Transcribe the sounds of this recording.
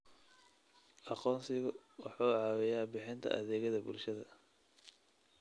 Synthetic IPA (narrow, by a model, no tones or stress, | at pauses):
ʔɑqɔːnsɪɣɐwɑħɑːʕɑːwɛjaːbɪħɪnt̪ʰɐ̰ʔɐðɛːɣɐðɐbʊ̰lʃɐðɐ